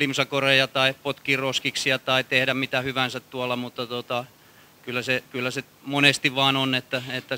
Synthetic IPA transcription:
limsɑkorejɑt̪ɑipot̪kiroskiksiɑt̪ɑit̪ehɾæmmit̪æhyʋænsæt̪t̪uɑlːˑɑmut̪ːɑt̪ot̪ɑ | kylːˑæsekylːæse | monest̪iʋʋɑːnonet̪ːæet̪ːæ

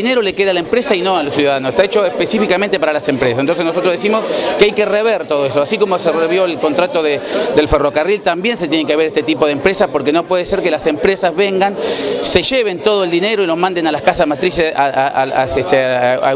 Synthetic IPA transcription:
ineɾo̞le̞keðalaempɾesaino̞alosjuðaðanose̥st̪aet͡ʃoespesifikament̪e̞paɾalase̞mpɾesasent̪osenosot̪ɾoðesimo̞skeajkereβ̞eɾt̪o̞ðo̞esoasiko̞mosereβjo̞elko̞nt̪ɾat̪o̞ðed̪e̞lfero̞karilt̪ambje̞ns̬et̪jenek̬eaβeɾest̪et̪ipo̞ð̞empɾe̞saspo̞ɾkeno̞pwe̞ð̞eseɾke̞lase̞mpɾesazβeŋɡanse̞ʒeβe̞nt̪o̞ð̞oeld̪ine̞ɾo̞ilomãnd̪e̞nalaskasazmat̪ɾisesaaaaet̪ea

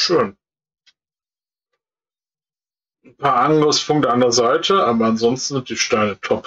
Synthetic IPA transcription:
ʃøːn | n̩pʰaːɐʔaŋɡəsfʊŋdəandɛɐzaɪtʰəʔaːbɐanzɔnstn̩zɪntd̥iːʃtaɪnətʰɔp

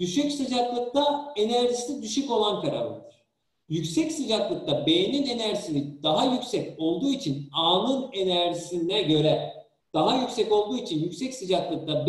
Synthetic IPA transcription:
d̪̥yʃycsid͡ʒaklˠɯk̚t̪ʰae̞næɾʒisilʲid̪yʃyco̞lˠankʰaɾa̰lˠɯ̰d̪ɯɾ̥ | jycʲsɛcsɯd͡ʒaklˠɯk̚t̪abe̞jenine̞næɾisilid̪̥aɦajycʲsɛco̞lˠd̪uːit͡ʃʰinaːnɯne̞næɾʒisind̪ɛɟø̞ɾɛ | d̪̥aɦajycʲsɛco̞lˠd̪uːit͡ʃʰinjycʲsɛcsɯd͡ʒaklˠɯk̚t̪ab

